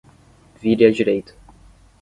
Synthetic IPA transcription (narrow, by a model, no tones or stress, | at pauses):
viɾɪɐd͡ʒiɾejt̪ɐ̥